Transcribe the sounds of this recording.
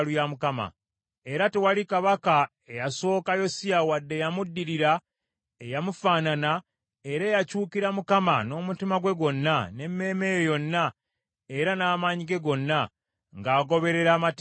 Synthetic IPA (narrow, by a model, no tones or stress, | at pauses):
lujamukama̰ | e̞ɾatewalikaβaka | ejaso̞ːkajo̞sijawadːe̞jamudːiɾiɾa | ejamufaːnana | e̞ɾeːjacuːkiɾamukama̰no̞ːmutimaɡwe̞ɡo̞nːane̞mːe̞ːme̞ːjojo̞nːa | e̞ɾanaːmaɲiɡe̞ɡo̞nːa | ŋɡaːɡo̞βe̞ɾe̞ɾaːmat